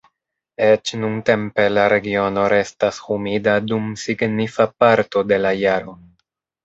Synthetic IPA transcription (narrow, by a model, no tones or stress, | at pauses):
et͡ʃnunte̞mpe̞laɾe̞ɡio̞no̞ɾe̞stashumidadumsiɡnifapaɾto̞de̞lajaɾo̞